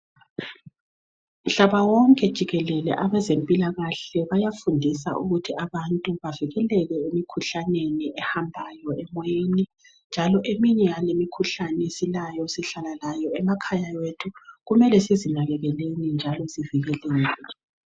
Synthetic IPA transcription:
m̩ɬaβawɔŋkʼɛd̥ʒ̥ʱiɣɛlɛlɛ̰ʔaβɛzempʼilaɣaɬɛβajafundʱisa̰ṵɣutʰiaβantʼuβaviɣɛlɛlɛemikʰuɬaneniʔɛhambʱajɔɛmweni | nd͡ʒʱalɔʔemiɲɛjalemikʰuɬanɛsilajɔsiɬalalajɔɛmakʰajawetʰuɣumɛlɛsizinaɣɛɣɛlenind͡ʒʱalɔziviɣɛleiːnɛ

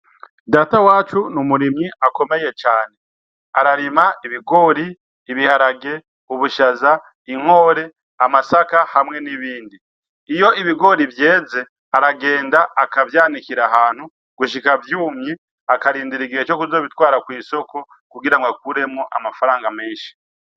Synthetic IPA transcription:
daːtawaːt͡ʃunumuɾimɲiako̞me̞je̞t͡ʃaːne̞ | aɾaɾimaiβiɡo̞ːɾiː | βihaɾaɡe̞ | uβuʃaza | iŋ̥ho̞ːɾe̞ | amasakahamŋe̞niβiːndi | ijo̞iβiɡo̞ɾivje̞ːze̞ | aɾaɡe̞ːndaʔːkavjaːnikiɾaɦaːn̥hu | ɡ̥uʃikavjuːmɲe | akaɾiːndiɾiɡiet͡ʃo̞kuzo̞ːβitwaːɾakwiːso̞ko̞ | kuɡiɾaŋɡakuɾe̞mŋoʔa̰mafaɾaːŋɡameːnʃi̥

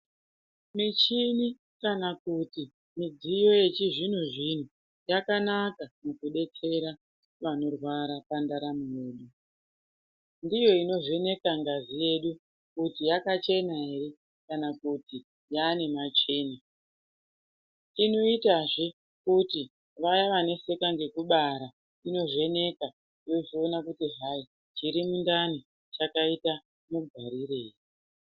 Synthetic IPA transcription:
mit͡ʃini | kanakuti | mid͡zijo̞je̞t͡ʃiʐin̤uʐin̤u | jakanakamukuɗe̞t͡se̞ɾa | ʋano̞rwaɾapandaɾamuuːɗu | ndijo̞ino̞ʐene̞kaŋɡazije̞ɗu | kutijakat͡ʃe̞naɦeɾe̞ | kanakuti | jane̞mat͡ʃe̞ːna | ino̞itaʐe | kuti | ʋajaʋane̞se̞kaŋɡe̞kuɓaɾa | ino̞ʐe̞ne̞ka | jo̞ʐio̞nakutiɦai | t͡ʃiɾimundani | t͡ʃakaita | muɡʱwaɾireːri

